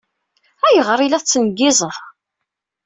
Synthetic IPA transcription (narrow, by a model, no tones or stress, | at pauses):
æjəʁɾˤilæˤt͡sːnəɡːɪzˤəθ